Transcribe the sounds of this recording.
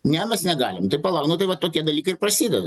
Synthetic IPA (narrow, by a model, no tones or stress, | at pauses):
nʲɛmʲɛsnʲɛɡɑːlʲɪmt̪ɐɪpɐlˠɐʊnot̪ɐɪʋɐtt̪ːoːkʲiɛd̪ɐlʲiːkɐɪɾpɾɐsʲiːd̪ʲɛd̪ɐ